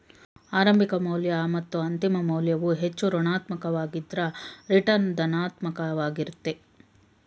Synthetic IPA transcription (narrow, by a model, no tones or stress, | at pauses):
aːɾɐmbʱikɐmɐwljɐmɐt̪ːuɐnt̪imɐmɐwljɐʋuɦet͡ʃːuɾunaːt̪mɐkɐʋaːɡid̪ɾɐɾiʈɐnd̪ɐnaːt̪mɐkɐʋaːɡiɾut̪ːe